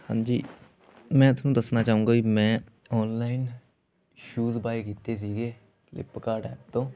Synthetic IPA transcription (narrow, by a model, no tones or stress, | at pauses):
hã̰ːɲd͡ʒḭː | mɛ̃ːt̪ʰʊnũd̪ɐsnat͡ʃaːɦũːŋɡakimɛ̃ | ɔːnlaːɪn | ʃuːzbaːjkiːt̪es̬iːɡeː | lɪ̰pːəkaːɖɛ̰ːp̚t̪õː